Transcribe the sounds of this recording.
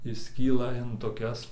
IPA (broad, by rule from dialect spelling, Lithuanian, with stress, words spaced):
ɪʃʲˈsʲkʲiːlˠɐ ɪn toːˈkʲɛs